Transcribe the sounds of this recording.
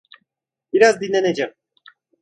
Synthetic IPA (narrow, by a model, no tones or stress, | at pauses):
b̥iɾazd̪inlʲːened͡ʒɛm